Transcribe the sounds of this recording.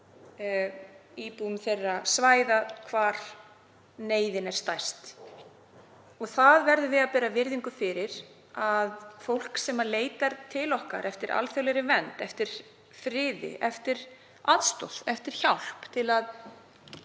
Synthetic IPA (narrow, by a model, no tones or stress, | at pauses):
iːpuʏmθejrːasvaːjðakʰvaːɾ̥ | neːjðɪnɛɾ̥st̪ajst̪ | ɔɣθaðvɛɾðʏvɪðaðpɛːɾavɪɾðiŋkʏfɪɾɪɾ | aðfowl̥ksɛmːaleːjt̪aɾt̪ʰɪlɔhka̰ɾʔɛft̪ɪɾʔa̰lθœlɛɾɪvɛnt̪ɛft̪ɪɾ̥ | fɾɪːðɪ̰ʔɛft̪ɪɾ̥ | aðst̪o̰wl̥θɛft̪ɪɾ̥çawl̥pt̪ʰɪlað